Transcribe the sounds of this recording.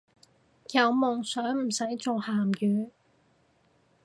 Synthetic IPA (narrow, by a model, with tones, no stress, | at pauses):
jɐ˨˥wmʊ˨ŋsœː˨˥ŋm̩˨˩sɐ˨˥jt͡so˨whaː˨˩mjyː˨˥